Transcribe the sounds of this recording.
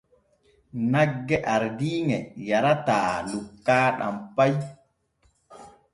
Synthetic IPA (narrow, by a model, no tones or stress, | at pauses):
naɡːɛʔaɾdiːŋɛjaɾataːlukːaːɗa̰mpaj